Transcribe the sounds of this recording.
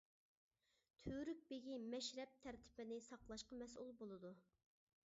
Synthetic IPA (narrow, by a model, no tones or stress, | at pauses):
t̪ʰøɾyk̚ʲbeɡʲimɛʃɾɛp̚t̪ʰæɾt̪ʰɪ̥bɪnɪsɑqlˠɑʃqɑmɛsulˠbolˠɨd̪u